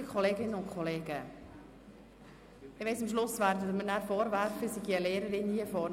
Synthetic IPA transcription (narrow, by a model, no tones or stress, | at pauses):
kχɔleːɡɪnəʊntkʰχɔleːɡ̥ə | ɪʋɛɪsɑmʃlʊsvæːɾdətmənæːɾfɔːɾʋæɾfəsiɡiəleːɾəɾɪniːəfɔːn